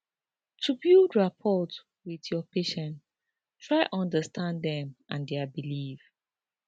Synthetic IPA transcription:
tʰubilˠdɹapʰɔt | wiðjɔpeʃɛ̃n | tʰɹaɪʔɔ̃ndəstʰãndɛ̃mʔãndɛbiliv̥

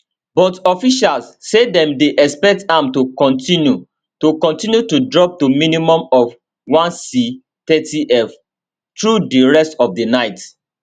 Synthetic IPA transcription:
bɔtɔfiʃalssedɛ̃mdeʔɛspɛk̚tãmtukɔ̃ntĩnju | tokɔ̃ntĩnjutudɹɔp̚tuminimɔ̃mɔf | wãnsi | tɛtiʔɛf | tɹudiɹɛstɔvdinaɪt

